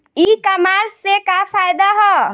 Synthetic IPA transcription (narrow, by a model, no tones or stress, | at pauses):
ikəmaɾsekapʰajd̪aɦɔ